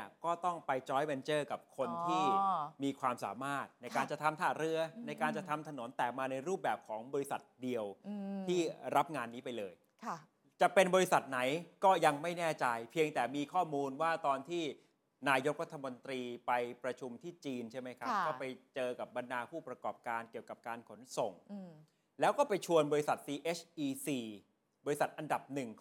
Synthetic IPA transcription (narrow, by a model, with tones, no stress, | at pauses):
əkɔː˥˩t̪ɔ˥˩ŋpa˧jt͡ɕɔː˦˥jmɛ˧nt͡ɕɤː˥˩ka˨˩p̚kʰo˧nt̪ʰiː˥˩miː˧kʰwaː˧msa̰ː˩˦maː˥˩t̪̚na˧jkaː˧nt͡ɕa˨˩t̪ʰa˧mt̪ʰaː˨˩ɾɯ˦˥ɐna˧jkaː˧nt͡ɕa˨˩t̪ʰa˧mt̪ʰa˧no˨˩˦nt̪ɛː˨˩k̚maː˧na˧jɾuː˥˩p̚bɛː˨˩p̚kʰɔː˩˦ŋbɔː˧ɾi˦˥sa˨˩t̪̚di˧əwt̪ʰiː˥˩ɾa˦˥p̚ŋaː˧nːiː˦˥pa˧jlɤː˧j | kʰ | t͡ɕa˨˩ʔpe˧nbɔː˧ɾi˦˥sa˨˩t̪̚na˩˦jkɔː˥˩ja˧ŋma˥˩jnɛː˥˩t͡ɕa˧jpʰi˧əŋt̪ɛː˨˩miː˧kʰɔː˥˩muː˧nwaː˥˩t̪ɔː˧nt̪ʰiː˥˩ | naː˧jo˦˥k̚ɾa˦˥t̪ʰːa˧mo˧nt̪ɾiː˧pa˧jpɾa˧t͡ɕʰu˧mt̪ʰiː˥˩t͡ɕiː˧nt͡ɕʰa˥˩jma˦˥jkʰa˦˥kɔː˥˩pa˧jt͡ɕɤː˧ka˨˩p̚ba˧ndaː˧pʰuː˥˩pɾa˧kɔː˨˩p̚kaː˧nki˨˩əwka˨˩p̚kaː˧nkʰo˩˦nso˨˩ŋ | lɛː˦˥wkɔː˥˩pa˧jt͡ɕʰu˧ənbɔː˧ɾi˦˥sa˨˩t̪̚siː˧ʔeː˦˥t͡ɕʰʔiː˧siː˨˧ | bɔː˧ɾi˦sa˨˩t̪̚ʔa˧nda˨˩p̚nɯ˨˩ŋ